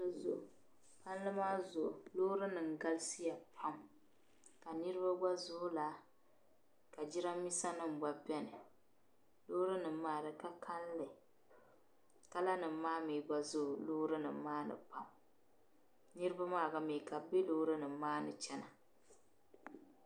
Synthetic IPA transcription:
nɨ˨zʊ˨ | pa˦n˦lɨ˦maː˦zʊ˨ʔlo˦ɾɨ˦nɨ˨ŋ˨ɡa˦lsi˦ja˨pʰa˦m | ka˨nɨ˦ɾɨ˦ba˦ɡ͡ba˦zʊ˦la˨ | ka˨d͡ʒi˦ɾa˦mː˦i˦sa˦nɨ˦m̩˨ba˨bɛ˦nɨ˨ | lo˦ɾɨ˦nɨ˨mːaː˦˨ɾɨ˨ka˦kʰa˦nlɨ˨ | ka˦la˦nɨ˨˦maː˦miː˨ɡ͡ba˨zʊ˦ʔloː˦ɾɨ˦nɨ̰˨˦maː˦nɨ̰˨pa˦m | nɨ˦ɾɨ˦ba˦maː˦˨ɡa˦mi˨ka˨be˦lo˦ɾɨ˦nɨ˨m˦maː˦nɨ˨t͡ʃɛ˦na˨

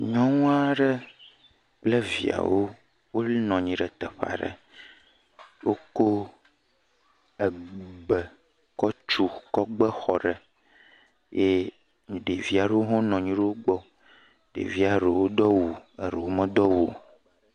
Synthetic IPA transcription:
ɲɔ̃˦ŋũ˦a˦ɖə˦ | k͡ple˦vi˨a̰˨wo˦ | wo˦lnɔ̃˨ɲĩ˨ɖə˨t̪ə˨ɸa̰˨ɖə̰˨ | wo˦ko˦ | ɛ˨ɡ͡bə˨ | kɔ˦t͡ʃu˦kɔ˦ɡ͡bə˦xɔ˨ɖə˨ | je˦ | ɲĩ˨ɖe˨vi˦a˨ɖe˦wo˦ɦɔ̃˦nɔ̃˨ɲĩ˦ɖe˦wo˦ɡ͡bɔ˦ | ɖḛ˨vi˦a˨ɖe˨wo˦d̪ɔ˦wu˨ə˨ɾe˨wo˦mə̃˦d̪ɔ˦wu˨

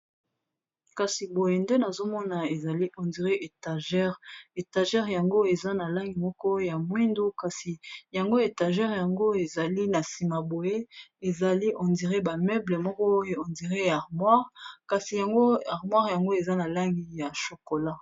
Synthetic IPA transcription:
ka˨si˨bo˨je˨nde˦na˨zo˦mɔ˦na˨e˨za˨li˦ʔɔ˨ndi˨ʁe˦ʔe˨ta˨ʒɛ˦ʁe˨ta˨ʒɛ˦ʁja˨ŋɡo˦e˨za˦na˨la˦ŋɡi˨mɔ˦kɔ˦ja˨mwi˦ndu˦ka˨si˨ja˨ŋɡo˦e˨ta˨ʒɛ˦ʁja˨ŋɡo˦e˨za˨li˦na˨si˨ma˨bo˨je˦e˨za˨li˦ʔɔ˨ndi˨ʁe˦ba˨mɛ˦ble˨mɔ˦kɔ˦je˦ɔ˨ndi˨ʁe˦ja˨ʁmwa˦ʁka˨si˨ja˨ŋɡo˦a˨ʁmwa˦ʁja˨ŋɡo˦e˨za˦na˨la˦ŋɡi˨ja˨ʃo˨ko˨la˦

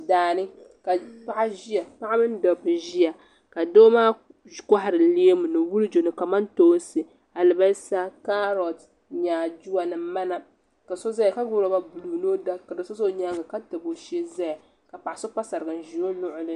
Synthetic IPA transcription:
daː˨nɨ˦ka˨pa˦ʔa˦ʒi˦ja˨pa˦ʔa˦mɨ˦n˦dɔ˨bɨ˨ʒi˦a˨ | ka˨doː˦maː˦˨ | ka˦ɦa˨ɾɨ˨le˦e˦mu˨nɨ˨wu˦lɨ˦d͡ʒo˨nɨ˨ka˨ma˦ntoː˦sɨ˨ | a˨lɨ˨ba˦sa˦ka˦ɾɔ˨t | ɲaː˨d͡ʒu˦wa˨nɨ˨m˦ma˦na˨ | ka˨so˦za˦ja˨ka˦ɡʊ˦ɾo˨ba˦bu˨luː˨no˦da˦ka˨dɨ˨so˦zo˦ɲa˦ɡɨ˨ka˦tɨ˨bo˨ʃe˦za˦ja˨ | ka˨pa˨a˨so˦pa˦sa˨ɾɨ˨ɡɨ˨n˨ʒi˨o˦nʊ˦ʔʊ˦lɨ˦

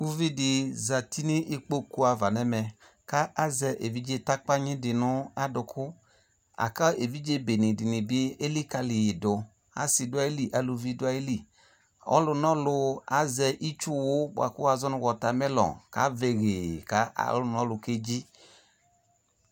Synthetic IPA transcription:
u˦vi˦dɪ˨za˨ti˦ni˦ʔi˦k͡po˦ku˦a˨va˨nɛ˦mɛ˨ | ka˦ʔa˦zɛ˧ʔe˨vi˦d͡ʒe˦˧ta˦k͡pa˦ɲɪ̃˦dɪ˨nʊ˦a˦dʊ˧kʰʊ˦ | a̰˨ka˦ʔe˨vi˦d͡ʒe˦be˨nɪ˨dɪ˨nɪ˨bɪ˦e˦li˦ka˧lɪ˨jɪ˨dʊ˨ | a̰˨sɪ˧dʊ˦a˦e˦li˦ʔa˨lu˧vi˦dʊ˦a˨e˦li˨ | ɔ̰˦lʊ˧nɔ˦lʊ˧a˨zɛ˧ʔi˦t͡ʃʊ˦wʊ˦b̰a̰˨kʊ˦a˨zɔ˦nʊ˧ɡɔ˨ta˨mɛ˦lɔ̰˨ka̰˨˦ve˨ɣe˨ka˨˦a̰˨lʊ˨˦nɔ˦lʊ˧ke˦d͡ʒi˦

